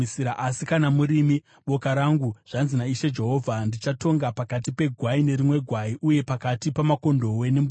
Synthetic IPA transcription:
siɾaʔasikanamuɾimi | ɓo̞kaɾaŋɡuʐ̥anzinaiʃe̞d͡ʒe̞ɦo̞ːvʱandit͡ʃato̞ŋɡapakatipe̞ɡʱwaine̞rimwe̞ɡʱwaiʔuje̞pakatipamako̞ndo̞we̞nem

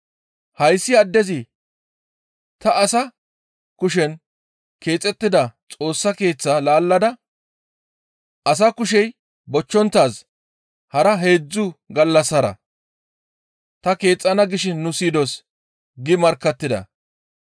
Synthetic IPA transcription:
hɐjsːɪɐd̪ːɛzɪ | t̪ɐːsɐ | kʊʃɛn | ke̞ːt͡sʼːɛt̪ːɪd̪ɐt͡sʼo̞ːsːɐke̞ːt͡sːalaːlːɐd̪ɐ | ʔɐs̬ɐkʊʃ̬ɛj | bɔt͡ʃːɔnt̪ːaːs | hɐɾɐɦe̞ːd͡zːʊɡɐlːɐsːɐɾɐ̰ | t̪ɐke̞ːt͡sʼːɐnɐɡɪʃɪnːʊsiːd̪os | ɡɪmɐɾkːɐt̪ːɪd̪ɐ̰

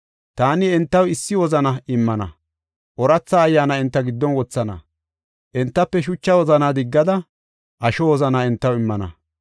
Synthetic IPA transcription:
t̪aːnɪɛnt̪ːɐwɪsːɪwɔzɐnɐɪmːɐnɐ̰ | ʔɔɾɐt͡sːaːjːaːnɐɪnt̪ːɐɡɪd̪ːɔnwɔt͡sːɐnɐ̰ | ʔɛnt̪ːɐpːɛʃʊt͡ʃːɐwɔzɐnad̪ɪɡːɐd̪ɐ | ʔɐʃɔwɔzɐnaɛnt̪ːɐwɪmːɐnɐ̰

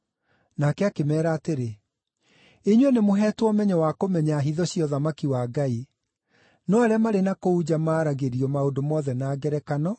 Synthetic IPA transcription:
nakɛakemɛːɾaːteɾe | eɲwɛnemoɦɛːtwɔmɛɲɔwakomɛɲaɦiðɔɕjɔðamakiwaːɡai | nɔaɾeamaɾenakoud͡ʑamaːɾaɣeɾiɔmaodomɔðɛnaːɡɛɾɛkanɔ

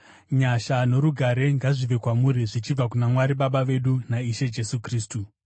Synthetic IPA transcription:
ɲaʃano̞ɾuɡʱaɾe̞ŋɡaʐiʋe̞kwamuɾiʐit͡ʃib͡vakunamwaɾiɓaɓaʋe̞ɗunaiʃe̞d͡ʒe̞sukriːstu

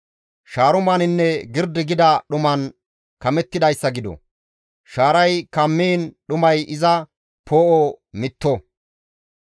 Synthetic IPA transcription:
ʃaːɾʊmɐnɪnːɛɡɪɾd̪ɪɡɪd̪ɐɗʊmɐn | kɐmɛt̪ːɪd̪ɐjsːɐɡɪd̪ɔ̰ | ʃaːɾɐjkɐmːeːnɗʊmɐjʔɪzɐ | pʰoːʔɔmɪt̪ːɔ

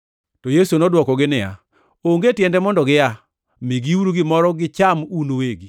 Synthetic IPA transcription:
tɔjesunɔdwɔkɔɡɪnɪja̰ | oŋɡetjɛndɛmɔndɔɡɪja | mɪɡiuɾuɡɪmɔɾɔɡɪt͡ʃamunoweɡi

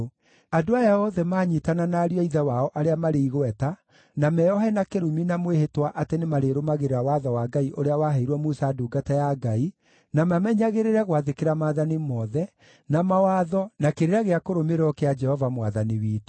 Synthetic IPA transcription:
adoajaɔðɛmaːɲitananaːɾiɔiðɛwaɔʔaɾeamaɾeiɣwɛta | namɛɔɦɛnakeɾuminamwehetwaʔatenemaɾeɾomaɣeɾeɾawaðɔwaɡaiʔoɾeawaɦaiɾwɔmusaːduɡatajaɡai | namamɛɲaɣeɾeɾɛɣwaðekeɾamaðanimɔðɛ | namawaðɔnakeɾeɾaɣeakoɾomeɾɔkead͡ʒɛhɔvamwaðaniwiːt

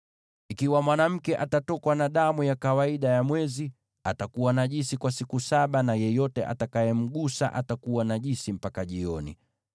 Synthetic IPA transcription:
ikiwamwanam̩kɛʔatatɔkwanaɗamujakawaiɗajamwɛzi | atakuwanaʄisikwasikusaɓanajɛjɔtɛ̰ʔa̰takajɛm̩ɠusa̰ʔatakuwanaʄisim̩pakaʄiɔnḭ

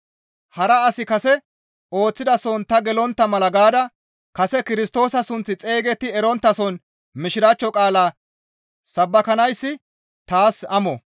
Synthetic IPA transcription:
hɐɾɐɐsɪkɐsɛ | o̞ːt͡sːɪd̪ɐsɔnt̪ɐɡɛlɔnt̪ːɐmɐlɐɡaːd̪ɐ | kɐsɛkɪɾɪst̪o̞ːsɐsʊnt͡sːɪt͡sʼe̞ːɡɛt̪ːɪɛɾɔnt̪ːɐsɔn | mɪʃɪɾaːt͡ʃːɔkʼaːlaː | sɐbːɐkɐnɐjsːɪ | t̪aːsɐmɔ

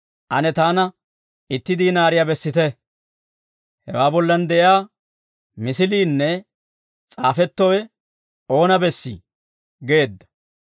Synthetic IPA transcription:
ʔɐnɛt̪aːnɐ | ɪt̪ːɪd̪inaːɾɪjabɛsːɪt̪ɛ | hɛ̰waːbɔlːɐnd̪ɛʔɪaː | mɪsɪliːnːɛ | t͡sʼaːfɛt̪ːɔwɛ | o̞ːnɐbɛsːḭ | ɡe̞ːd̪ːɐ̥

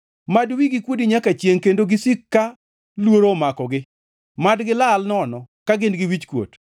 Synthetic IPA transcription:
madwiɡikwodiɲakat͡ʃjeŋkendoɡɪsikːa | lwoɾomakɔɡɪ | madɡɪlalnɔnɔkaɡɪnɡɪwit͡ʃkwo̰t

